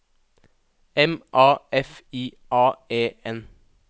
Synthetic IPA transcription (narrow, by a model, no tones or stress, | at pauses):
ɛmʔɑːʔɛfiː | ʔɑːeːɛn